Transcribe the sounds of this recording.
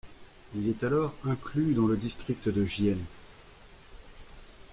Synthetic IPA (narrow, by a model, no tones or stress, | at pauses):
ilɛt̪alɔʁɛ̃klyd̪ɑ̃ləd̪ist̪χikt̪d̪əʒjɛn